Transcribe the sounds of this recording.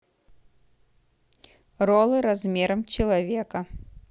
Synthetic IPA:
rɔlˠɨɾazʲmʲɛɾɐmt͡ɕɐlˠavʲɛkɐ

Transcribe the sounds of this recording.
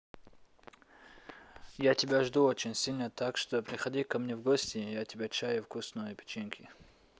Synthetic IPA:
jatʲɪbʲaʐd̪uot͡ɕɪnʲsʲilʲnət̪akʂt̪opɾʲɪxɐdʲikɐmnʲevɡosʲtʲɪjatʲɪbʲat͡ɕajʊfkusnujəpʲɪ̥t͡ɕinkʰʲɪ

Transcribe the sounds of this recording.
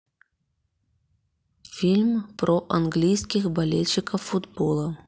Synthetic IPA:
fʲilʲmpɾʔɔʔanɡlʲijskʲixbalʲɛlʲt͡ɕːikɐwfud̪bɔlˠɐ

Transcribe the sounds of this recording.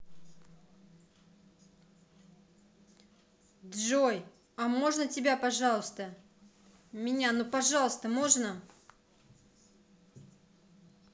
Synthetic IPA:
d̪ʐoj | ɐmo̞ʐnətʲɪbʲapɐʐɑlˠəst̪ə | mʲɪnʲanupɐʐɑlˠəst̪əmo̞ʐnə

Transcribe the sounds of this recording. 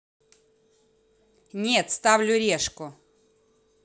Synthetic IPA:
nʲet̪st̪avlʲʊɾʲeʂkʊ

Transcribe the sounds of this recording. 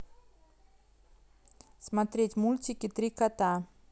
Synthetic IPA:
smɐt̪ɾʲetʲmulʲtʲɪkʲɪt̪ɾʲikɐt̪a

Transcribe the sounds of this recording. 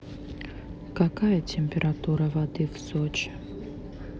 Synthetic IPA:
kakajətʲɪmʲpʲɪɾʔat̪uɾəvɐd̪ɨvsot͡ʃɪ̥

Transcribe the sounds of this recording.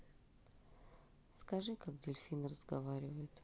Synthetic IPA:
skɐʐɨkak̚dʲɪlʲfʲinrəzɡɐvaɾʲɪvəjɪt̪

